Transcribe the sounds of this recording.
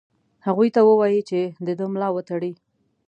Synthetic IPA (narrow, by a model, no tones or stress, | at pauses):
haɣujt̪awəwɑjit͡ʃed̪əd̪əmlɑwət̪aɽi